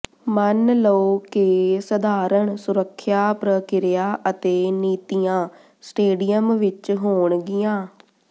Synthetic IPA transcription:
mənləoːkeːsəd̪aːɾəɳsʊɾəkʰːjaːpɾəkɪɾɪjaːʔət̪eːniːt̪ijãː | sʈeːɖijəmʋɪt͡ʃɦoːɳɡɪjãː

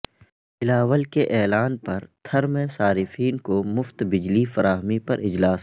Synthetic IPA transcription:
ɪlaːʋəlkeʔɛːlaːnpɐɾt̪ʰɐɾmẽsaːɾɪfiːnkomʊft̪bɪd͡ʒlifɐɾaːɦmipɐɾɪd͡ʒlaːs

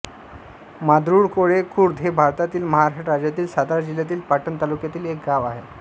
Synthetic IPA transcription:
mad̪ɾuːɽkoɽekʰuːɾd̪ʱɦebʱaɾt̪at̪iːlməɦaɾaɕaʈɾad͡ʑjat̪iːlsad̪aɾd͡ʑiljat̪iːlpaʈənt̪alukjat̪iːlek̚ɡaʋaɦe

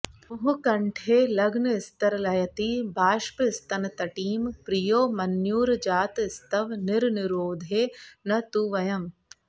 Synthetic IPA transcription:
ɦukɐɳʈʰeːlɐɡnəɪst̪ɐɾlɐjɐt̪ibʱaːʃpːst̪ɐnt̪ɐʈiːmpɾɪjoːmɐnjuːɾd͡ʒaːt̪ɪst̪ɐʋnɪɾnɪɾoːd̪ʱeːnɐt̪uʋɐjɐm

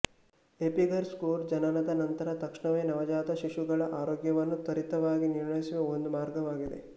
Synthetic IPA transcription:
epiɡɐɾskuːɾd͡ʒɐnɐnɐd̪ɐnɐnt̪ɐɾɐt̪ɐkʂɳɐʋejnɐʋɐd͡ʒaːt̪ɐʃiʃuɡɐɭɐʔaːɾoːɡjɐʋɐnːut̪ɐɾit̪ɐʋaːɡiniɾɳɐjisiʋɐond̪umaːɾɡɐʋaːɡid̪e̞̰

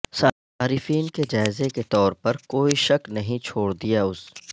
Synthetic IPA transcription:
sa | aːɾɪfiːnked͡ʒaːɪzeket̪ɔːɾpɐɾkoːiʃɐknɐɦĩt͡ʃʰoːɽd̪ijaʊs

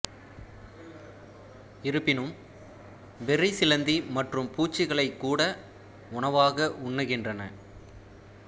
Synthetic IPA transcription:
ɪɾɯpːɪnɯm | ʋɛrɪsɪlɐnd̪imɐʈrɯmpuːt͡ʃːɪɣɐɭɐɪkːuːɽɐ | ʊɳɐʋaːɣɐʔʊɳːɯɣɪndrɐnɐ̰

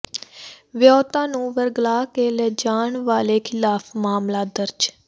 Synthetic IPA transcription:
ʋɪjɔːt̪ãːnũːʋəɾɡlaːkeːlɛːd͡ʒaːɳʋaːleːkʰɪlaːpʰmaːmlaːd̪əɾd͡ʒ

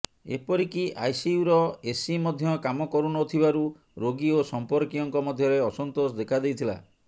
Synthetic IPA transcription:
ḛpɔɾikiʔa̰jsiuɾɔesimɔd̪ʱjɔkamɔkɔɾunɔot̪ʰibaɾu | ɾoɡiosɔmpɔɾkiɔŋkɔmɔd̪ʱjɔɾeɔsɔnt̪osɔd̪ekʰad̪ejt̪ʰila̰

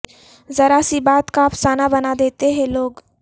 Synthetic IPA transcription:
zəɾasibaːt̪kapsaːnabənad̪eːt̪eɦẽloːɡ

